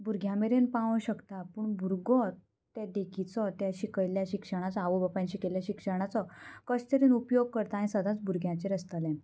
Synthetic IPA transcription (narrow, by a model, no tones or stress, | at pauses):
bʱuɾɡʱjãmeɾenpaʋə̃ɕəkt̪apuːɳbʱuɾɡɔ | t̪ɛd̪ekʰit͡sɔt̪aɕikəjljaɕikʂəɽ̃at͡saːʋubəpãɲɕikeljaɕikʂəɾɳ̃at͡sɔkəɕt̪əɾinupjoɡ̚kəɾt̪aːnĩsəd̪ʱat͡sbʱuɾɡʱjãt͡ɕeɾəst̪alɛ̃n